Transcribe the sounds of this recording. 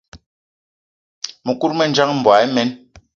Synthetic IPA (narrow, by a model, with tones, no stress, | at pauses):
mɛ˨ku˦ɾmɛ˦˨n˦d͡ʒa˦ŋm̩˨bwa˨˦jmɛ˨˦n